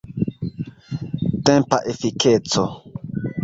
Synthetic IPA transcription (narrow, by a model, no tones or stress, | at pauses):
t̪ẽmpaʔefiket͡so